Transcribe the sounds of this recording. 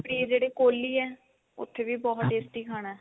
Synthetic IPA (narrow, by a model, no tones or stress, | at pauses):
pɽiːd͡ʒeːɽeːkoːliːɛː | ʊ̰t̪ʰːeːʋiːbɔːt̪eːsʈiːkʰaːɽ̃aː